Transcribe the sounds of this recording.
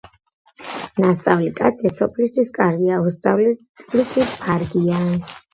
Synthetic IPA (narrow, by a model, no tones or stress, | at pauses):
nast̪sʼavlikʼat̪sʰɛsɔpʰlist̪ʰwiskʼaɾɡiaust̪sʼavlit̪ʼlisʰipʰaɾɡian